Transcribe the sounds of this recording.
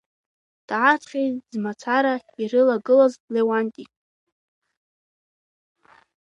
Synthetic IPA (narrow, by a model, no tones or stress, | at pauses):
d̥aatʰχʲejtʼzmat͡sʰaɾaiɾɨlaɡɨlazlewantʼi